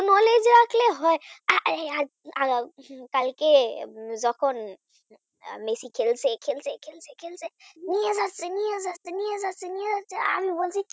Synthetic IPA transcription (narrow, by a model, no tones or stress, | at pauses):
nɔled͡ʒɾakleɦɔjaa | akalked͡ʒɔkʰɔn | mesikʰelsekʰelsekʰelsekʰelseniezaseniəzat̪niezasenizasea̰mibolsi